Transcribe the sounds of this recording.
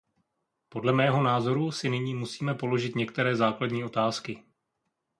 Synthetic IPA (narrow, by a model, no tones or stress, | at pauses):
po̞dlɛmɛːɦo̞naːzo̞ɾusɪnɪɲiːmusiːmɛpo̞lo̞ʒɪt̪ɲɛk̚t̪ɛɾɛːzaːkladɲiːʔo̞t̪aːskɪ